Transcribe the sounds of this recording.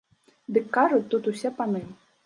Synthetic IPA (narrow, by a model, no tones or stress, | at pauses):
d̪ɨkːaʐʊt͡sʲt̪ut̪usʲɛpanɨ